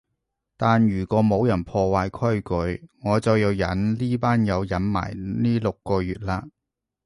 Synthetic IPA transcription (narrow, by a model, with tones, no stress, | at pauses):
t̪aː˨njyː˨˩kɔː˨˧˥mo˨˧wjɐ˨˩npʰɔː˧waː˧jkʰɵ˥ɥkɵ˨˧ɥŋɔː˨˧t͡sɐ˨wjɐ˨˧wjɐ˨˥nliː˥paː˥njɐ˨˧wjɐ˨˥nma̰ː˨˩jniː˥lʊ˨kːɔː˧jyː˨t̚laː˧